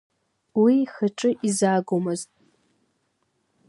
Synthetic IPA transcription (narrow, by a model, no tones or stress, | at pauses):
wixəʈ͡ʂʼɨʔizaːɡʷomɐztʼ